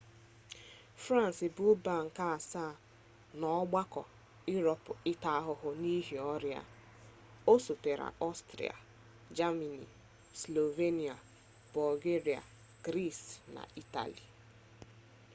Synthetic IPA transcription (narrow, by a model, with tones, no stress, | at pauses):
fɾa˦n˨sɪ˨bʊ˦ba˨ŋ̩˨ka˦a˨sa˦˨ | nɔ˨˦ɡ͡ba˦kɔ̰˨ | ʊ˦ɾɔ˨pʊ˨ɪ˦ta˦ɦʊ˨ɦʊ˨ni˦ɦi˨ɔ˦ɾja̰˨ | o˦so˨te˨ɾa̰˨ɔ˦stɾḭ˨a̰˨ | d͡ʒa˦ma˨nḭ˨ | slo˨ve˦ni˨a˨ | bɔ˨lɡe˦ɾi˨a̰˨ | ɡ̥ɾi˦˨sna̰˨i˦ta̰˨lḭ˨